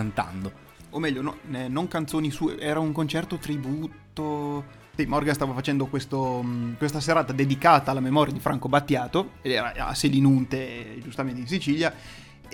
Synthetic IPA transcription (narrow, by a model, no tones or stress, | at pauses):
ant̪a̰nd̪o | omːɛʎːonɔnɛnːoŋkant̪soːnisuːḛʔɛːɾauŋkont͡ʃɛrt̪ot̪ɾibuːt̪ːo | simɔrɡanst̪aːvafat͡ʃɛnd̪okwest̪okwest̪aseɾaːt̪ad̪ed̪ikaːt̪aːlːamemɔːɾjad̪ifɾʔaŋkobat̪ːjaːt̪oed̪ɛːɾa̰a̰selinunt̪ed͡ʒust̪ament̪einsit͡ʃilja